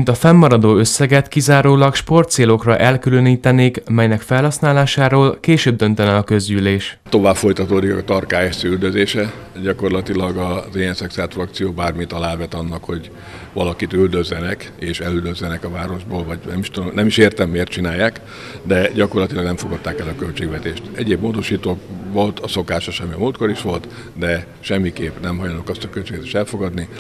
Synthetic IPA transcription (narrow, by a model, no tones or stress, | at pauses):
int̪ɒfɛmːɒɾɒd̪oːø̞sːɛɡɛt̪kizaːɾoːlɒkʃpo̞rt̪seːlo̞krɒʔɛlkyløniːt̪ɛneːkmɛjnɛkfɛlhɒsnaːlaːʃaːɾoːlkeːʃøːb̚d̪ø̞nt̪ɛnɛɒkø̞zɟyleːʃt̪ːo̞vaːpfo̞jt̪ɒt̪oːd̪ikt̪ɒrkaːɛseyld̪øzeːʃɛ | ɟɒko̞rlɒt̪ilɒɡɒzijɛnsɛksaːlt̪frɒk̚t̪sijoːbaːrmit̪ɒlaːvɛt̪ɒnːɒkho̞ɟ | ʋɒlɒkit̪yld̪øzːɛnɛk | eːʃɛlyld̪øzlɛnɛkɒvaːɾo̞ʒboːlvɒɟnɛmiʃt̪ud̪omnɛmiʃeːrt̪ɛmːeːrt̪̚t͡ʃinaːjaːk | d̪ɛɟɒko̞rlɒt̪ilɒɡnɛmɱfo̞ɡɒt̪ːaːkɛlɒkø̞lt͡ʃeːɡʋɛt̪eːʃt̪ɛɟeːbmoːd̪o̞ʃiːt̪oːvo̞lt̪ɒso̞kaːʃɒʃɛmːiɒmult̪ko̞ɾiʃʋo̞lt̪ | d̪ɛ | ʃɛmːikeːpnɛmɦɒjonokɒst̪ɒkølt͡ʃeːɡvɛt̪e̥ːʃt̪ɛlfo̞ɡɒd̪ni